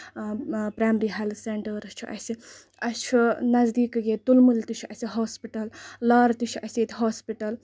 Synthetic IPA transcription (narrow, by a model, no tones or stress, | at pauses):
pɾaːmɾiɦalseɳʈəɾɐt͡ʃʰiʔɐ̰si | ɐt͡ʃʰunɐzd̪iːkɡet̪ulmult̪ut͡ʃʰɐsʲiɦoːspiʈɐlːaːɾt̪ut͡ʃʰiɐsʲet̪ʰɦoːspiʈɐl